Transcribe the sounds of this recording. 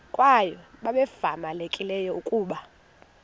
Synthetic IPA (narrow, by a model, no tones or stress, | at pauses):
kʼwajɔɓaɓɛfamalekʼilɛjɔukʼuːɓa